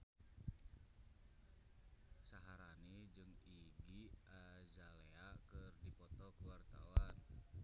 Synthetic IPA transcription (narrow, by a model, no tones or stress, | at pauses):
saɦaɾanid͡ʒɨŋiɡiʔazaleakərdipɔt̪ɔkuwart̪a̰wan